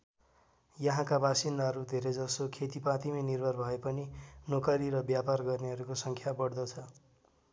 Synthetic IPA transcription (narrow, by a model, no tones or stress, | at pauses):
jʌɦãkabasind̪aɦʌɾud̪ʱeɾed͡zʌsokʰet̪ipãt̪iminirbʱʌrbʱʌepʌninokʌɾiɾʌbjaparɡʌrneɦʌɾukosʌŋkʰjabʌɽd̪ʌt͡sʰʌ